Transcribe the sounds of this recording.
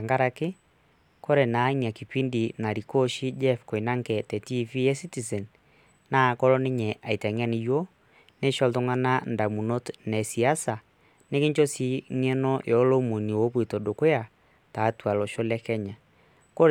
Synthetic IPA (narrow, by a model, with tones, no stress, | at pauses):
a˨ŋɡa˦ɾa˦kɪ˦ | ko˦ɾe˨na˨˦ɲa˨ki˨pi˦ndi˨na˨ɾi˨ko˦ʃi˦d͡ʒɛ˦fko˨i˨na˦ŋkɛ˨tɛ˨ti˦fi˦jɛ˦si˦ti˨sɛ˨n | na˦˨kɔ˦ɾɔ˦nɪ˦ɲɛ˨ʔa˨i˨tɛ˨ŋɛ˦ni˦jo˦ | ne˦ʃɔ˦ltʊ˦ŋa˦na˦nda˨mu˨no˦tnɛ˨si˨a˦sa˨ | ne˦kɪ˦ɲt͡ʃo˦si˦ŋɛ˦nɔ˦jɔ˨˦lo˦mo˨ni˨wo˨˦p̬wi˨to˨do˨kʊ˦ja˨ | ta˨˦twa˨lɔ˨ʃo˦lɛ˦kɛ˦ɲa˨ | ko˦ɾ